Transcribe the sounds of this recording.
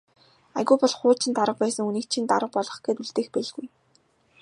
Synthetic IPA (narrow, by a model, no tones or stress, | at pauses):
a̰ɣʲuːpɔɮχʊːt͡ɕʰɪ̆nt̪aɾə̆q̚pæːsə̆ŋuniːk̚t͡ɕʰint̪a̰ɾə̆q̚pɔɮɞ̆χɡeːt̪uɮt̪eːxpæɮɣuj